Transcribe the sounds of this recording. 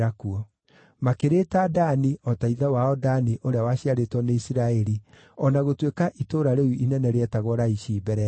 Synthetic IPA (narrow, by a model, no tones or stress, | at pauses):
ɾakuɔ | makeɾetadaniɔtaiðawaɔdaniʔoɾeawaɕiaɾetwɔneisiɾaɛɾi | ɔnaɣotwekaʔitoɾaɾeuinɛnɛɾeɛtaɣɔɾaiʃiːbɛɾɛ